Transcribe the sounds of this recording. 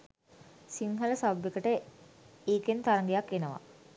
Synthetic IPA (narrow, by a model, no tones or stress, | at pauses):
siŋɦələsawbekəʈə | eːkent̪aɾəŋɡejakːenəʋa̰